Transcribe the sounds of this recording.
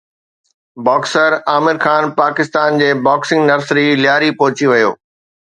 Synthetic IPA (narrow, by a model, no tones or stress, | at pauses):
baːksəɾaːmɪɾxaːnpaːkɪst̪aːnd͡ʑeːbaːksɪ̃ŋɡnɐɾsɾiljaːɾipɔɦt͡ɕiʋɐjo̰ː